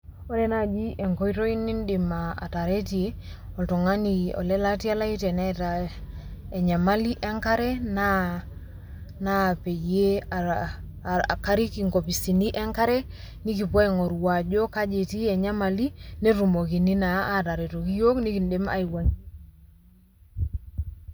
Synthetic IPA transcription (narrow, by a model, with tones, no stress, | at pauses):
o˦ɾɛ˦na˦d͡ʒi˦ʔɛ˨ŋkɔ˦jtɔ˦i˦ni˦ndi˨ma˨a̰˨ta˨ɾe˦ti˨e˦ | ɔ˨ltɔ˨ŋa˦ni˨ɔ̰˨lɛ˦la˦ti˦a˦la˦i˦tɛ˨na˦ta˨ | e˨ɲa˨ma˦li˦ʔɛ˦ŋka˦ɾɛ˦na˦ | na˦pe˨je˦a | a̰˨ka˦ɾi˦ki˨ŋko˨pi˨si˨ni˦ʔɛ˦ŋka˦ɾɛ˦ | ni˦k̬i˨pɔ˦ɛ˨ŋo˨ɾwa˨d͡ʒo˦ka˦d͡ʒe˨ti˦ɛ˨ɲa˦ma˨li˦ne˦ɾu˨mo˨ki˨ni˦na˨a˦ta˨ɾɛ˨to˨ki˦jo˦kni˦ki˨nde˦ma̰˨i˨wa˨ŋ